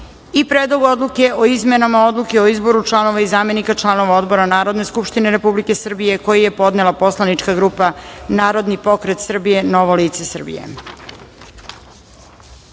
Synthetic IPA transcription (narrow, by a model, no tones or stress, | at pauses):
ipɾed̪lˠoɡo̞d̪lˠuke̞ʔo̞izme̞namao̞d̪lˠuke̞o̞izbo̞ɾut͡ʃlˠano̞ʋaizaːme̞nikat͡ʃlˠano̞ʋao̞d̪bo̞ɾanaːɾo̞d̪ne̞skupʃt̪ine̞ɾe̞publike̞sr̩bije̞ko̞jije̞po̞d̪nelapo̞slˠanit͡ʃkaɡɾuːpanaːɾo̞d̪nipo̞kɾe̞t̪sr̩bije̞no̞ʋoliːt̪se̞sr̩bḭjḛ